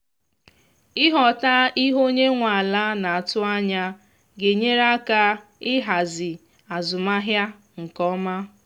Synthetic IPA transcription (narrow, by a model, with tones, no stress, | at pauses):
ɪ˦ɦɔ˨ta˦i˦ɦo˦ɲe˦ŋʷa˨a˨la˦na˨a˨tʊ˦a˦ɲa˦ | ɡe˨ɲe˦ɾa˦ka˦ɪ˦ɦa˨zɪ˨ | a˨zʊ˨ma˦ɦja˦ | ŋ̩˨kɔ˦ma˦